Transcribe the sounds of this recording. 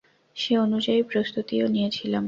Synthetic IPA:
ʃeonud͡ʑaipɾost̪ut̪ionijet͡ɕʰilam

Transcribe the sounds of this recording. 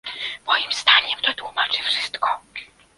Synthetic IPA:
mɔjimz̥d̪aɲɛmt̪ɔt̪wumat͡ʂɨfʂɘst̪kɔ

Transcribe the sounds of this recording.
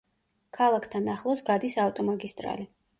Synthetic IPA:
kʰalˠakʰt̪ʰanaχlˠɔsɡad̪isaft̪ʼɔmaɡist̪ʼɾa̰li

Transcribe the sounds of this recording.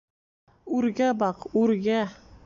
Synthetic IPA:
ʉɾɡæbɑqʉɾɡæ

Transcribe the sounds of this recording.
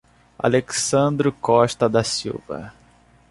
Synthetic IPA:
a̰leksɐ̃nd̪ɾʊkɔʃt̪ɐd̪ɐsiwvɐ̰

